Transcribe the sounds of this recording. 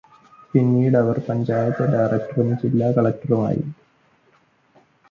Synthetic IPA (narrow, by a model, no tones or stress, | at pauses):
pinːiːɽɐʋɐrpɐɲd͡ʑaːjɐt̪ːɐɖajrɐk̚ʈɐrunːɨt͡ɕilːaːkɐɭɐk̚ʈɐruma̰ːjḭ